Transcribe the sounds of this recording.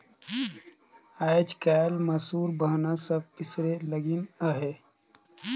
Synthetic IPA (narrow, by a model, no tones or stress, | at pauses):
aːɪd͡ʒkaːlməsuːɾbəɦnasəb̚kɪsɾeləɡinəɦe